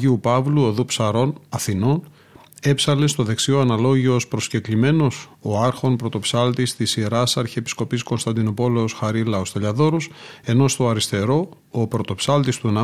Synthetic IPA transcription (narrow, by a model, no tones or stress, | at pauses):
iupɐvluoðupsɐɾo̞nɐθino̞n | e̞psɐle̞st̪o̞ðe̞ksioɐnɐlo̞ʝio̞spɾo̞sce̞klime̞no̞soɐɾxo̞npɾo̞t̪o̞psɐlt̪ist̪isiɾɐsɐɾçiepi̥sko̞pisko̞nst̪ɐnd̪ino̞po̞le̞o̞sxɐɾilɐost̪ɐʎɐðo̞ɾose̞no̞st̪o̞ɐɾist̪e̞ɾo̞ː | pɾo̞t̪o̞psɐlt̪ist̪unɐ